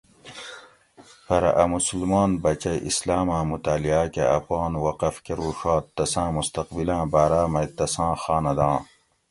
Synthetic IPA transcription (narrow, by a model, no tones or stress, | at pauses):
pɐɾɐ̰ʔɐmusulmaːnbɐt͡ɕɐjʔḭslaːmãːmut̪aːliaːkeʔɐ̰pɑːnwɐqɐfkeɾuːʂaːt̪ːɐsãːmust̪ɐqbilãːbaːɾaːmɐjt̪ɐsãːxaːnɐd̪ãː